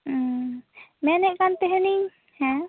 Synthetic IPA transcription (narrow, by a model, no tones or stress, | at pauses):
mɛnɛʔkant̪ɛɦɛni | hɛ̃